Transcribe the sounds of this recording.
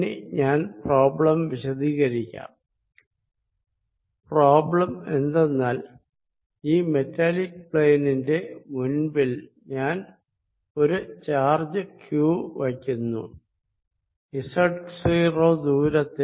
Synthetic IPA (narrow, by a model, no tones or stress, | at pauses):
neɲaːnproːbɭɐmʋiɕɐðiːɣɐɾikʲːa̰ːm | proːbɭɐme̞nd̪enːaːl | iːme̞tːalikpɭeːninde̞munbil | ɲaːn | o̞ɾut͡ɕaːrd͡ʑɐkjuːʋɐkʲːunːṵ | isɐʈksiroːd̪uːɾɐt̪ːi